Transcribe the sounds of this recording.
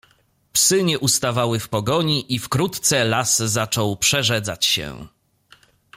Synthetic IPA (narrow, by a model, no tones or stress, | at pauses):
psɘɲɛʔust̪avawɘfpɔɡɔɲiʔifkɾut̪t̪sɛlaszat͡ʂɔwpʂɛʐɛd̪zat͡ɕɕɛ̰